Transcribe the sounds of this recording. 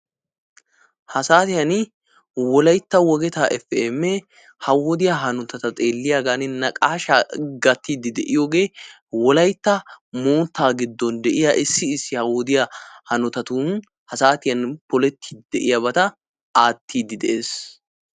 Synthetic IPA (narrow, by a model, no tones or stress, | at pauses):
hɐsaːt̪ɪjɐnɪ | wɔlɐjt̪ːɐwɔɡɛt̪aːʔɛfɛmːɛ | hɐwɔd̪ɪjaɦɐnɔt̪ɐt̪ɐt̪ʼe̞ːlːɪjaːɡanɪnɐkʼaːʃaɡɐt̪ːiːd̪ɪd̪ɛʔɪjoːɡe̞ː | wɔlɐjt̪ːɐmoːt̪ːaːɡɪd̪ːɔnd̪ɛʔɪjaʔɪsːɪɪsːɪhɐwɔd̪ɪjɐhɐnɔt̪ɐt̪uːn | hɐsaːt̪ɪjɐnpɔlɛt̪ʰːi̥ːd̪ɛʔɪjɐbɐt̪ɐ | aːt̪ʰːiːd̪ɪd̪ɛʔeːs